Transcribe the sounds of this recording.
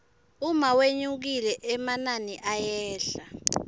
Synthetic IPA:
umaweɲuk̬ilɛʔɛmananiʔajɛːɬa

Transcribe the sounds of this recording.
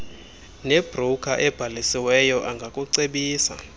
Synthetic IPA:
neb̥ʱrukʰaʔɛb̥ʱalisiwɛjɔʔaŋɡʱakʼuǀeɓiːsa̰

